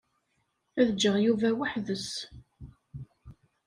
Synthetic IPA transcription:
æðəd͡ʒːəʁjuvæwəħðəs

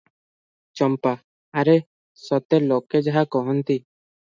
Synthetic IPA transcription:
t͡ʃɔmpaː | ɾe | sɔt̪eloked͡ʒaɦakɔɦɔnt̪i

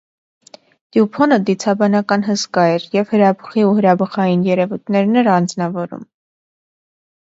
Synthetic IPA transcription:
d̪̥jupʰɔnəd̪it͡sʰɑbɑnɑkɑnɦəskɑɛɾjɛv̥həɾɑbəχiuɦəɾɑbəχɑjinjɛɾɛvujt̪ʰnɛɾnɛɾɑnd͡znɑvɔɾṵm

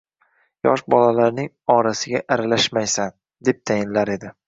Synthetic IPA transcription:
jɒ̰ʃbɒlalaɾnɪŋ | ɒɾasɪɡʲaʔaɾalaʃmajsan | d̪e̞p̚t̪ʰajɪnlaɾe̞d̪ɪ

